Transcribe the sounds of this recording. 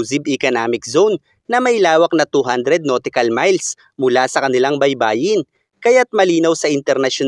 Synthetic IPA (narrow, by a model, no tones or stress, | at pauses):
zibɪkɐnaːmɪk̚zonː | ɐmɐjlaːwɐk̚nɐt̪uɦand̪ɾɛd̪̚noːt̪ɪkɐlmajls | mʊlasɐkɐnɪlaŋbɐjbaːjɪn | kɐjat̪̚mɐliːnɐwsɐʔɪnt̪ɛɾnɐʃon